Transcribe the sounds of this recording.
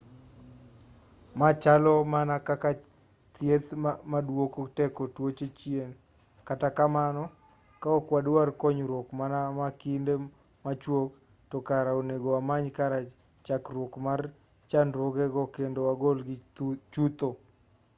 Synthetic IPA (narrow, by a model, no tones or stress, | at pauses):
mat͡ʃalɔmanakaka | t̪jet̪madwokotɛkotwot͡ʃet͡ʃjen | katakamanɔ | kaɔkwadwarkɔɲɾwokmanamakinde | mat͡ʃwok | tɔkaɾaoneɡoamaɲkaɾa | t͡ʃakɾwokmar | t͡ʃanɾwoɡɛɡɔkendowaɡolɡɪt͡ʃut̪o